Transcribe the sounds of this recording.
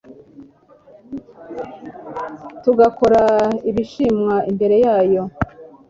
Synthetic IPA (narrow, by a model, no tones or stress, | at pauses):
tuɡako̞ɾaiβiʃimŋaimbe̞ɾe̞jaːjo̞